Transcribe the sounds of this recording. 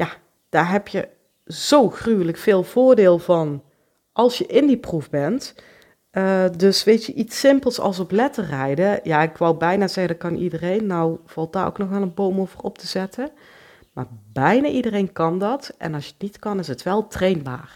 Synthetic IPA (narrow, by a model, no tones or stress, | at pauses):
ja | d̥aːɹɦɛpjə | z̥owxrywələkfɪːlˠv̥ʊːɹdɪːlˠvɑn | ʔɑlˠsjəʔɪndipruvbɛntː | dɵsʋejtəʔitsɪmpəlˠsɑ̰lˠsɔplɛtərɛjdəjaːɪkʋɑwbɛjnaːzɛɣədɑt̚kɑnʔḭdərejnːɔwv̥ɑlˠt̚daːrʔo̰wknɔxʋɛlˠənbowmowvərɔp̚təz̥ɛtə | maːɹbɛjnaːʔidərejnkɑndɑtʔɛ̰nɑlsjətnitkɑnɪsətʋɛlˠtrejnba̰ːr